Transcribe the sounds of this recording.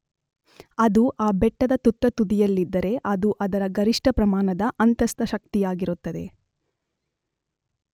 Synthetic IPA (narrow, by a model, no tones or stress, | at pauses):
ɐd̪uʔaːbɛʈːɐd̪ɐt̪ut̪ːɐt̪ud̪ijɐlːid̪ːɐɾe̞ʔɐd̪uʔɐd̪ɐɾɐɡɐɾiʂʈɐpɾɐmaːnɐd̪ɐʔɐnt̪ɐst̪ɐʃɐk̚t̪ijaːɡiɾut̪ːɐd̪e̞̰